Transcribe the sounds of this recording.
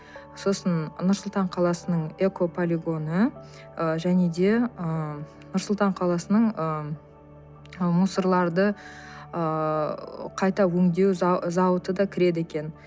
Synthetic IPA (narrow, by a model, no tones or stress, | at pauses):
so̞sənnʊɾsʊlˠt̪ɑɴqʰɑlˠɑsənəɴe̞ko̞pʰo̞lʲiɡo̞nə | əʒæne̞d̪e̞ə | nʊɾsʊlˠt̪ɑɴqʰɑlˠɑsənəɴə | musəɾlˠɑɾd̪ə | ə | qʰɑjt̪ɑwɵŋd̪e̞wzɑwət̪əd̪ɑkʲʰɪɾe̞d̪ɪekʲe̞n